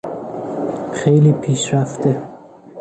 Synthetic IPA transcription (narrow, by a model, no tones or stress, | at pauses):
xejliːpʰiːʃɾaft̪ʰe